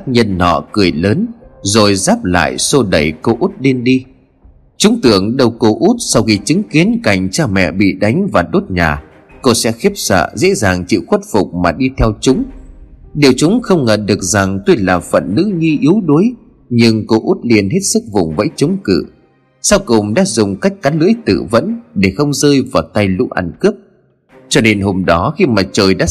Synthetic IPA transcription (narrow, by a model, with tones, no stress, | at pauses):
a˦˥k̚ɲə˧nːɔ̰˧˨kɨ˨˩əjləː˨˦nzo˨˩jzaː˦˥p̚la̰ː˧˨jso˧ɗə˨˩jko˧ʔu˦˥t̚le˧nɗi˧ | t͡ɕʊ˨˦ŋ͡mt̪ɨ˧˩əŋɗə˧wko˧ʔu˦˥t̚sa˧wxi˧t͡ɕɨ˨˦ŋki˨˦ənka˨˩jŋ̟t͡ɕaː˧mɛ̰˧˨ɓḭ˧˨ɗa˨˦jŋ̟vaː˨˩ɗo˦˥t̚ɲaː˨˩ | ko˧sɛ̰˧˥xi˦˥p̚sə̰ː˧˨zḛ˧˥zaː˨˩ŋt͡ɕḭ˧˨wxwə˦˥t̚fʊ˨˩k͡p̚maː˨˩ɗi˧t̪ʰɛ˧wt͡ɕʊ˨˦ŋ͡m | ɗe˨˩wt͡ɕʊ˨˦ŋ͡mxə˧wŋ͡mŋə˨˩nɗɨ˨˩ək̚za˨˩ŋt̪o˧jlaː˨˩fə̰˧˨nːɨ̰˧˥ŋi˧ʔi˨˦əwɗo˨˦j | ɲɨ˧ŋko˧ʔu˦˥t̚li˧ənɦe˦˥t̚sɨ˦˥k̚vʊ̰˨˩ŋ͡mvə̰˧˥jt͡ɕʊ˨˦ŋ͡mkɨ̰˧˨ | sa˧wkʊ˨˩ŋ͡mɗa̰ː˧˥zʊ˨˩ŋ͡mka˦˥jk̟̚kaː˨˦nlɨ̰˧˥əjt̪ɨ̰˧˨və̰˧˥nɗe˧˩xə˧wŋ͡mzəː˧jvaː˨˩wt̪a˧jlṵ˧˥ʔa̰˧˩nkɨ˦˥əp̚ | t͡ɕɔ˧ne˧nɦo˧mɗɔ˨˦xi˧maː˨˩t͡ɕəː˨˩jɗa̰ː˧˥